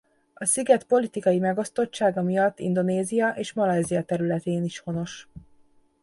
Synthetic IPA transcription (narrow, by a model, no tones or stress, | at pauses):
ɒsiɡɛt̪po̞lit̪ikɒjimɛɡo̞st̪o̞t͡ʃːaːɡɒmijɒt̪ːḭnd̪o̞neːzijɒʔeːʃmɒlɛjzijɒt̪ɛɾylɛt̪eːniʃho̞no̞ʃ